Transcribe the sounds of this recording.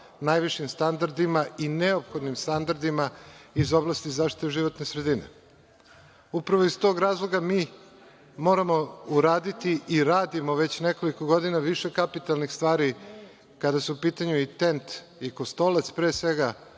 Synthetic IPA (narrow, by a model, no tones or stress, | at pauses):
najʋiʃimst̪and̪aɾd̪imaʔineopxo̞d̪nimst̪and̪aɾd̪imaizo̞blˠast̪izaːfʃt̪i̥t̪eʒiʋo̞t̪ne̞sɾe̞d̪inḛ | upɾaʋoist̪o̞ːɡɾaːzlˠo̞ɡamiː | mo̞ːɾamo̞uɾaːd̪it̪iiɾaːd̪imo̞ʋe̞t͡ɕne̞ko̞likoɡo̞d̪inaʋiʃekapit̪alˠnixst̪ʋaːɾi | kad̪asuupiːt̪aɲuit̪e̞nt̪ | ikost̪olat̪spɾeːsʋe̞ɡa